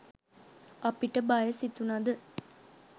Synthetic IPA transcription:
ɐpiʈəbɐjəsit̪unɐd̪ə

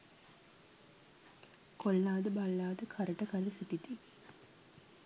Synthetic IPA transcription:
kolːaːd̪əbalːaːd̪əkʰaɾəʈəkaləsiʈit̪i

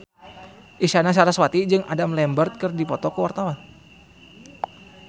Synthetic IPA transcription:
ʔisanasaɾaswat̪id͡ʒɨŋʔa̰damlɛmbərt̪̚kɨrdipɔt̪ɔkəwart̪awan

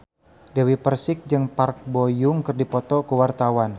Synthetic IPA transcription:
dɛwipərsɪk̚d͡ʒɨŋpark̚bojʊŋkɨrdipɔt̪ɔkəwart̪awan

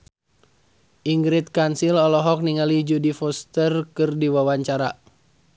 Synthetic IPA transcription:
ʔiŋɡɾit̪̚kansilɔlɔɦɔk̚niŋalid͡ʒudifɔst̪ərkɨrdiwawaɲt͡ʃaɾa

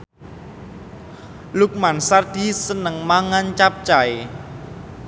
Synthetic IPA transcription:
lʊk̚mansard̪̥i̤sənəŋmaŋant͡ʃap̚t͡ʃae

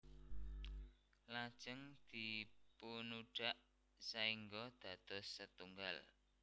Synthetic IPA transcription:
lḁʒ̥əŋd̪̥ipunuɖ̥a̤ʔ | saiŋɡɔd̪̥ä̤d̪̥ɔ̤sːət̪uŋɡa̰l

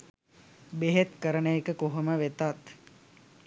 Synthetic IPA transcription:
beɦet̪kəɾənəjekəkoɦoməʋet̪at̪

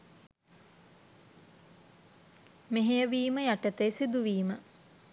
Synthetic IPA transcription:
meɦejəʋiːməjaʈət̪ejsid̪uʋiːmə

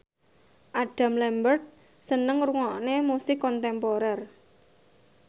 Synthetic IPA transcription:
ʔaɖ̥a̤mlɛmbərt̪̚ | sənəŋruŋɔʔnemusɪkːɔnt̪ɛmpoɾɛr

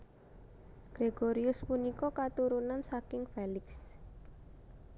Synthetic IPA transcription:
ɡ̥ɾeɡ̥oɾiʊspunikɔkat̪uɾunansakɪŋfelɪks

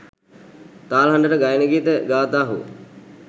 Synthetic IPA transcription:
t̪aːlɦanɖəʈəɡajnəɡit̪əɡaːt̪aːɦuə̰

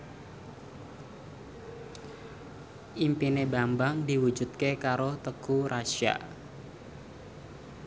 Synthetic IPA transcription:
ʔimpinebambaŋdi̤wu̥d͡ʒut̪̚kekaɾot̪əkuɾaʃia̰

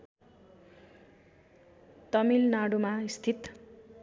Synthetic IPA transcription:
t̪ʌmilnaɽumaist̪ʰit̪

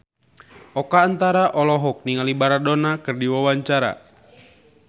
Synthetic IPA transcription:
ʔɔkaːnt̪aɾaʔɔlɔɦɔk̚niŋalibaɾadonakɨrdiwawaɲt͡ʃaɾa̰

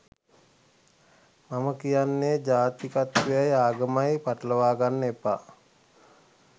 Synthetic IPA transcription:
maməkijanːeːd͡ʒaːt̪ikat̪ʋejajaːɡəmajpaʈələʋaːɡanːəepaː

